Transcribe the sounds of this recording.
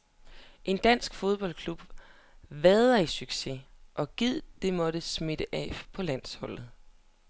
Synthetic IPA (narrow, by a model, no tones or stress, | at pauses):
ʔe̝nd̥æn̰sɡ̥fo̝ð̞ˠb̥ɒ̽l̰kʰlub̥ | ʋɛðˠɐisyɡ̥se̝ʔɒ̽ɡ̥ið̰ˠd̥e̝mɒ̽ɾ̥əsme̝d̥əʔɛ̰pʰɒ̽læn̰shɒ̽l̰ð̞̩ˠ